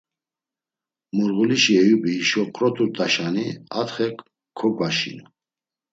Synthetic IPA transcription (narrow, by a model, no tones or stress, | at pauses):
muɾɣuliʃiɛjubiiʃɔkʼɾɔt̪ʼut̪ʼaʃaniat̪χɛkʰː | ɔɡaʃḭnu